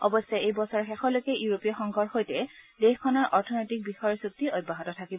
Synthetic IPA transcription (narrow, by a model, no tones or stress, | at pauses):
ɔbɔsːɔejbɔsɔɹxɛxɔlojkɛʔjuɹopiɔxɔŋɡʱɔɹxojtɛdexkʰɔnɔɹʔɔɹtʰɔnɔjtik̚bixɔjɔɹsuk̚tiʔojbːaɦɔtɔtʰakibɔ